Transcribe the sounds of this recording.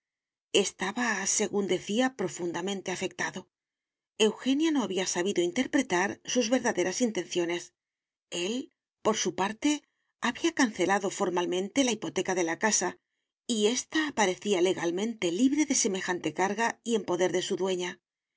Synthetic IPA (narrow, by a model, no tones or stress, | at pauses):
e̞st̪aβase̞ɣund̪e̞θiapɾo̞fund̪amẽ̞nt̪e̞afe̞k̚t̪aðo̞ | e̞wxe̞njano̞aβiasaβ̞iðo̞int̪e̞ɾpɾe̞t̪aɾsuzβe̞ɾðaðe̞ɾasint̪e̞nθjo̞ne̞s | e̞l | po̞ɾsupaɾt̪e̞ | aβiakanθe̞laðo̞fo̞ɾmalmẽ̞nt̪e̞laipo̞t̪e̞kaðe̞lakasa | ie̞st̪aːpaɾe̞θiale̞ɣalmẽ̞nt̪e̞liβɾe̞ðe̞se̞me̞xant̪e̞kaɾɣaie̞mpo̞ðe̞ɾðe̞suðwe̞ɲa